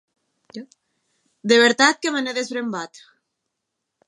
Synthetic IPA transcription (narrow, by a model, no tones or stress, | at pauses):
d̪eβ̞eɾt̪at̪̚kemeneðezβɾembat̪